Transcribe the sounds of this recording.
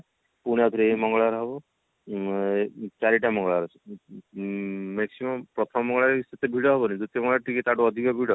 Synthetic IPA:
puɽ̃jat̪ʰɾeemɔŋɡɔɭaɾɦɔbɔ | t͡ʃaɾiʈamɔŋɡɔɭaɾ | meksimɔmpɾɔt̪ʰɔmmɔŋɡɔɭaɾeset̪ebʱiɽɔɦɔbɔnid̪ut̪jɔmɔŋɡɭaɾʈiket̪aɖuɔd̪ʱikɔbʱiɽɔ

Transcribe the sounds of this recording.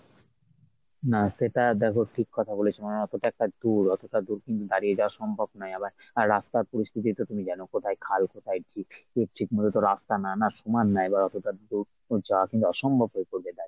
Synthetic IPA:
naʃeʈad̪ɛkʰoʈʰikːɔt̪ʰabolet͡ɕʰimanɔt̪oʈaɛk̚ʈad̪uɾɔt̪oʈad̪uɾkint̪ud̪aɾijed͡ʑaoaʃɔmbʱobnɔjabaɾ | aɾːast̪aɾpoɾist̪ʰit̪̬it̪ot̪umid͡ʑɛnokot̪ʰajkʰalkot̪ʰajt͡ɕʰieɾʈʰikmod̪ot̪oɾast̪ananaʃumanːaebaɾɔt̪oʈad̪uɾ | d͡ʑaoakint̪uɔʃɔmbʱobɦoekoɾbed̪aɾ

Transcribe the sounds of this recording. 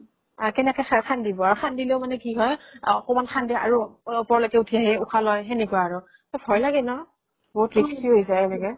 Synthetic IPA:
akɛnɛkɛkʰandibɔaɹuxʰandileʊmanɛkiɦɔjɔkɔmanxʰandia̰ɹuupɔɹlɔkɛutʰiaɦiuxʰalɔjɦenikuaːɹʊ | tɔpʰɔjlaɡɛnɔ | boɦutɹikʰsiɦojzaɛnɛkɛ

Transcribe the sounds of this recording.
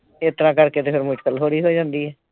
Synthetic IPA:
eːt̪əɾãːkəɾkeːt̪eːpʰɪɾmʊʈkəlɦoːɽiːɦoːid͡ʒãːnd̪iːɛː

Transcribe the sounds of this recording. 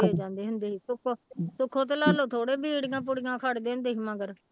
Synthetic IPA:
eːd͡ʒãːnd̪eːɦʊnd̪eːɦiːsʊkʰːoːsʊkʰːõːt̪̬eːlaːloːt̪ʰoːɽeːbiːɽɡãːp̬ʊɽɪjãːkʰaːɽd̪eːɦʊ̃nd̪eːɦiːməɡəɾ

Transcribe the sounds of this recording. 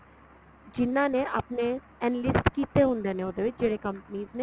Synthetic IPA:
d͡ʒɪnãnẽʔɐpne | ɛnlɪsʈkiːt̪eɦʊ̃nd̪enẽod̪eʋɪt͡ʃd͡ʒeːɾekɐ̃mpniːznẽ

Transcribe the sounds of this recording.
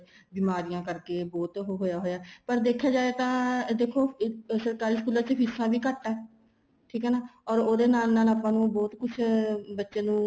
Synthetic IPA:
biːmaːɾɪjãːkəɾkeːbɔːt̪ɦɦoːjaːɦoːjaːpəɾd̪eːkʰːjaːd͡ʒaːeːt̪ãːd̪eːkʰoːsəɾkaːɾiːskuːlãːt͡ʃpʰɪsãːʋiːkəʈːɛː | ʈʰiːkɦɛːnaːɔːɾoːd̪eːnaːlnaːlaːpːãːnũːbɔːt̪kʊt͡ʃʰbətːʃeːnũː

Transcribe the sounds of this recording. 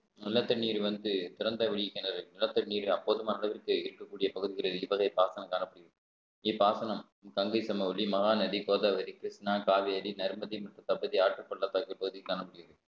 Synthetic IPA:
nɪlːɐt̪ːɐniːɾɯʋɐnd̪ɯt̪ɪɾɐnd̪ɐʋɪɭɪjɪkːɐnɐɾɯnɪlːɐt̪ːɐniːɾɯɐpːoːðɯmaːnɐlɐʋɪrkɯɪɾɯkːɐkːuːɽɪjɐpɐɣɯðɪɣɐɭɐðɯɪʋɐɣɐɪpaːsɐnɐmkaːnɐpːɯɽɪɣɐðɯ | ɪpːaːsɐnɐm | kɐŋɡɐɪsɐmɐɔɭimɐɣaːnɐðikoːðaːʋɐɾikɾɪsnaːkaːʋeɐɾinɐɾmɐðimɐʈːrɐt̪ɐbɐðiaːʈrɯpːɔɭːɐt̪ːaːkːɯlpɐɣɯðɪkːaːnɐmːʊɽɪɣɐðɯ

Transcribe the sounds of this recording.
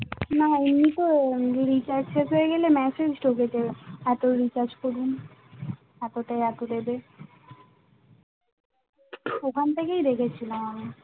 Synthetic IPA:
naemit̪oɾit͡ɕaɾesɦojeɡelemɛsed͡ʑʈokeʈeɛt̪oɾit͡ɕaɾd͡ʑkoɾun | ɛt̪oʈajɛt̪od̪ebe | okʰant̪ʰekejd̪ekʰet͡ɕʰilamami

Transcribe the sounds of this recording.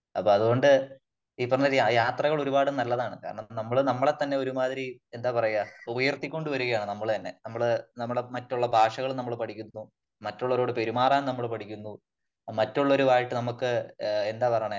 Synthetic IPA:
ɐ̰pːoːɐðuɣo̞ɳɖɨ | iːpːɐrɐɲːɐɾjajaːt̪rɐɣɐɭo̞ɾubaːɽɨnɐlːɐðaːɳɨkaːɾɐɳɐmnɐmːɐɭnɐmːɐɭet̪ːɐnːe̞o̞ɾumaːðiɾie̞nd̪aːpɐrɐjuaubɐjɐrt̪ːikʲːo̞ɳɖuʋɐɾuɣɐjaːɳɨnɐmːɐɭt̪ɐnːe̞̰nɐmːɐɭnɐmːɐɭemɐtːuɭːɐbʱaːʂɐɣɐɭnɐmːɐɭpɐʈʰikʲːunːu | mɐtːoɭːɐɾo̞ːɽɨpe̞ɾumaːraːnnɐmːɐɭpɐʈʰikʲːunːu | mɐtːuɭːɐo̞ɾuaːjiʈːɨnɐmukːɨe̞nd̪aːpɐrɐɳɐ

